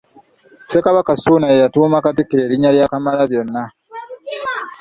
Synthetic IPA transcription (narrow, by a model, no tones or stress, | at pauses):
se̞kaβakasuːnajejatuːmakatikeeːɾiɲːaljakamalaβjo̞nːa